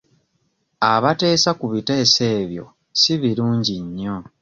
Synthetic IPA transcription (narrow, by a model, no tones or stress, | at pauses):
aβate̞ːsakuβite̞ːse̞ːβjo̞̰ | siβiluːɲɟiɲːo̞